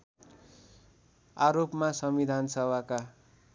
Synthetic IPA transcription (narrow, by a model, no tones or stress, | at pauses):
aɾopmasʌmid̪ʱansʌbaka